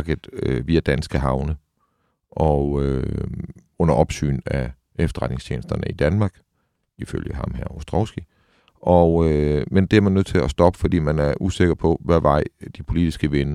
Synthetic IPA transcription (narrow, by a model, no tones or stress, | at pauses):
ɡ̥əð̩ˠʋiːæd̥ænsɡ̥əɦɑ̈ʊnə | ʔɒø | ɔ̽n̰ɐʔɒ̽b̥sy̰ːnæ | efd̥ɐʁɑd̥ne̝ŋst͡ɕʰḛːnəsd̥ɐnəid̥ænmɑ̈ːɡ̥ | ifø̰ljəɦɑ̈mɦæɐosd̥ʁɒʊsɡ̥i | ʔɒømend̥e̝æɐmænøð̰ˠt͡sʰe̝læsd̥ɒ̽b̥əfɒd̥ḭːmænæɐʔuse̝ɡ̥ɐpʰɒ̽ʋæɐʋɑ̈ɪ̰d̥ipʰo̝lid̥isɡ̥əʋe̝nə